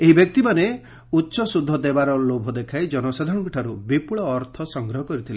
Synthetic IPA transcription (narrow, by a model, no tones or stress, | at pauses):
eɦibjɔk̚t̪imane | utːsʃɔsud̪ʱːɔd̪ebaɾɔlobʱɔd̪ekʰajd͡ʒɔnɔsad̪ʱɔnɔɡuʈʰaɾubipuɭɔːɾt̪ʰɔsɔŋɡɾɔɦɔkɔɾit̪ʰile